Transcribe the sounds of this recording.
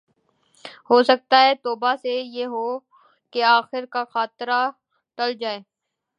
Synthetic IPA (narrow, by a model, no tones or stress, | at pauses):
ɦoːsɐk̚t̪aɦɛt̪oːbasejeːɦoː | keaːxɪɾkaxaːt̪ɾa | ʈɐld͡ʒaːeː